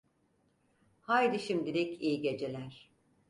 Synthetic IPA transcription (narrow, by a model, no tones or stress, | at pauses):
hajd̪iʃimd̪ilʲicʰiːɟe̞d͡ʒe̞lʲæɾ̥